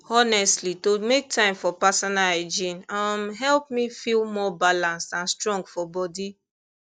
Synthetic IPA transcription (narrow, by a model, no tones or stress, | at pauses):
ɔnɛstlitomek̚tãɪ̃mfɔpasɔnaled͡ʒĩnamɦɛlˠpmifilmɔbalãnstãnstɹɔ̃ŋɡfɔbɔdi